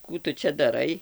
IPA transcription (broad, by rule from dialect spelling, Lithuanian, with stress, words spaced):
ˈkuː tʊ ˈt͡ʃʲɛ dɐˈrɐɪ